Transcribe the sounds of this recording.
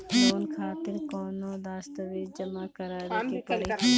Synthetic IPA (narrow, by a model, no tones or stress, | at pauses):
loːnkʰaːt̪ɪɾkɔːnõd̪aːst̪ɐʋiːd͡ʒd͡ʒɐmakɐɾaːɾkipɾ